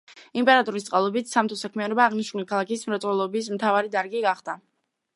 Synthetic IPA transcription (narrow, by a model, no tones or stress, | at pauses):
impʼɛɾat̪ʼɔɾist̪sqʼalˠɔbit̪ʰsamt̪ʰɔsakʰmianɔbaːʁniʃnulikʰalˠakʰismɾat̪sʼwɛlˠɔbis̬mt̪ʰavaɾid̪aɾɡiɡaχd̪a